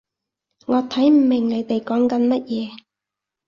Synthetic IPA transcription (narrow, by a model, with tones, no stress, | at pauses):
ŋɔː˨˧t̪ʰɐ˨˥jm̩˨˩mɪ˨˩ŋne˨˧jt̪e˨jkɔː˨˥ŋkɐ˨˥nmɐ˥t̚jɛː˨˧